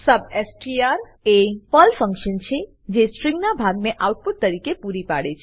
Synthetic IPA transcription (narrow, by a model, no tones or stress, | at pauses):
səbesʈiaɾ | epəlpʰə̃ŋkʃənt͡ʃʰe | d͡ʒesʈɾĩŋɡnabʱaɡ̚meʔawʈ̚pud̪̚t̪əɾikepuɾipa̰ɽet͡ʃʰ